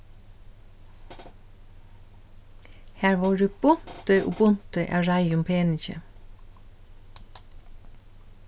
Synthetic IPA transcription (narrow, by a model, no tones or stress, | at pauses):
hæːɹʋɑːɹʉb̥ʊnt̪œʏʔʊ̰bʊnt̪œʏʔɑ̰ːɹæɪʊmpʰeːnɪçə̰